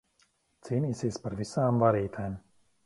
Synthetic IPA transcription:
t̪siːnʲiːsʲispaɾvisaːmvaɾiːt̪ʰajm

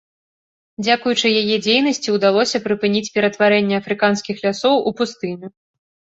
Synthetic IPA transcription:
d͡zʲakujut͡ʂɨjajɛd͡zʲejn̪ɐsʲt͡sʲiwd̪alˠɔsʲɐpɾɨpɨnʲit͡sʲpʲɛɾɐt̪vaɾɛnʲːɛɐfɾɨkanskʲixlʲasɔwʔupust̪ɨnʲu

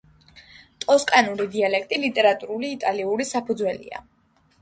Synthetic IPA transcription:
t̪ʼɔskʼanuɾid̪ialɛkʰt̪ʼilit̪ʼɛɾat̪ʼuɾuliːt̪ʼaliuɾisapʰud̪zwɛlḭa̰

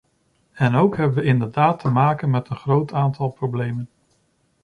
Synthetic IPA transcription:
ɛnowkɦɛbəʋəɪndəɹdaːtʰəmaːkənmɛtənχrowtaːntɑlˠprowblejmən

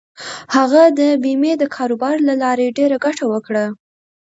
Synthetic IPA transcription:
haɣad̪əbimed̪əkʰɑɾubɑɾlalɑɾeɖeɾaɡaʈawəkɽa

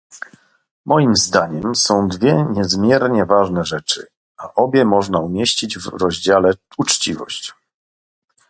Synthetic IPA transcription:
mʔɔjimzd̪aɲɛmsɔ̃w̃d̪vʲjɛɲɛzmʲjɛɾɲɛvaʐnɛʐɛt͡ʂɘ̰ | aʔɔbʲjɛmɔʐnaumʲjeɕt͡ɕid͡ʑvɾɔʑd͡ʑalɛut͡ʂt͡ɕivɔ̰ɕt͡ɕ

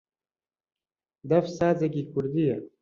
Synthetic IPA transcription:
d̪ɐfsaːt͡sekikuɾd̪ijɐ

